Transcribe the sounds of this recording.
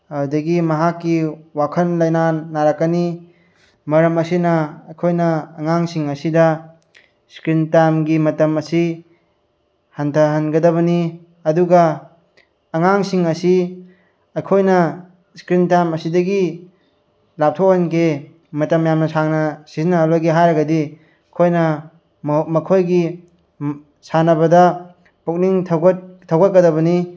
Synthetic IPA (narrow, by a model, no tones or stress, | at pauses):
ɐdɐɡimɐɦakːiwakʰɐnlɐjnanaɾakːɐni | mɐɾɐmɐsinɐɐjkʰojnɐːŋaŋsiŋɐsidɐ | skɾintamɡimɐtɐmɐsi | hantʰɐɦɐnɡɐdɐβɐni | ɐduɡɐː | ŋaŋsiŋɐsi | ɐjkʰojnɐ | skɾintamɐsidɐɡi | lap̚tʰok̚hanke | mɐtɐmjamnɐsaŋnɐsizinːɐɦalojɡeɦajɾɐɡɐdi | kʰojnɐ | mmɐkʰojɡi | sanɐbɐdɐ | puk̚niŋtʰɡt̚tʰɐwɡat̚kɐdɐβɐni